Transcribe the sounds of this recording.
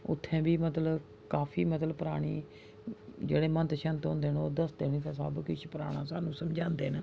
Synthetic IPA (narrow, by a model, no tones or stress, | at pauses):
ʊ̰t̪ʰːɛ̃ːbiːmət̪lə | kaːpʰiːmət̪ləbpəɾaːɽ̃ḭː | d͡ʒeːɽeːmə̃nt̪ʃənt̪ɦʊ̃ːnd̪eːnoːd̪əst̪eːniːt̪ãːsa̰ːbkɪt͡ʃʰpəɾaːɽ̃ãːsaːnũːsəmd͡ʒãːnd̪eːn